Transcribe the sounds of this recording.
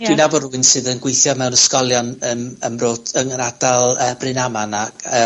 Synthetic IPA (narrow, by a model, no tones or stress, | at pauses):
d̥wɨnavɔɾʊɨnsɨðənɡwejθjɔmɛwnəskɔlˠjɔnənəmroːd̥əŋənadalˠəːb̥rɨnamanaə